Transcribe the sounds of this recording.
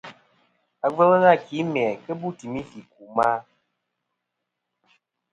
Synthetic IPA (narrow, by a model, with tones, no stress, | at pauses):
a˨ɡ͡bə˦lə˦ɣa˦˨ki˨˦mɛ˨kə˦bu˦ti˨mi˦fi˨k̚u˨ma˦